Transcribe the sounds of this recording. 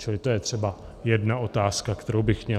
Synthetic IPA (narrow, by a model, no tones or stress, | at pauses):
t͡ʃɪlɪt̪o̞jɛt̪r̝̥ɛba | jɛdnaʔo̞t̪aːskakt̪ɛɾowbɪxmɲɛ